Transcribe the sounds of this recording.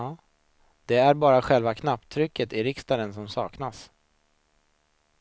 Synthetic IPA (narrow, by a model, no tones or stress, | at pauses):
d̪̥ɛæɾbɑːɾaɧɛlvakʰnapːt̪ʰɾʏkːət̪ɪɾɪkst̪ad̪ənsɔmsɑːknas